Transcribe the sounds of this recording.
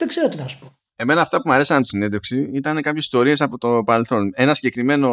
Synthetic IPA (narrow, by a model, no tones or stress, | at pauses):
ðeɡze̞ɾot̪inɐsspo | e̞me̞nɐːft̪ɐpumɐɾe̞sɐnt̪u̥sine̞nd̪oksiit̪ɐne̞kɐpçesi̥st̪o̞ɾie̞sɐpo̞t̪opɐelθo̞ne̞nɐsiɲɟe̞kɾime̞no̞